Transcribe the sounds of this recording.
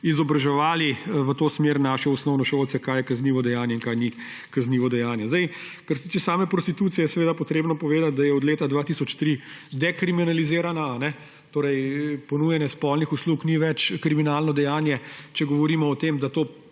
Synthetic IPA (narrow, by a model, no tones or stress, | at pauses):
izɔbɾaʒɛʋaːliʋət̪oːsmeːɾnaːʃɛɔsnɔwnɔʃowlt̪sɛkaːjɛkɐzniːʋɔd̪ɛjaːnjɛinkajni | kazniːʋɔd̪ɛjaːnjɛzd̪aj | kɐɾset̪it͡ʃɛsaːmɛpɾɔst̪it̪ut̪sijɛjsɛʋeːd̪apɔt̪ɾeːbnɔpɔʋeːd̪at̪̚d̪ajɛɔd̪leːt̪ad̪ʋaːt̪isɔt͡ʃt̪ɾid̪ɛkɾiminalizeːɾanaːnɛ | t̪oːɾɛjpɔnujɛnjɛspɔlnixuslukniʋɛt͡ʃkɾiminaːlnɔd̪ɛjaːnjɛt͡ʃɛɡɔʋɔɾimɔːt̪eːmd̪at̪oː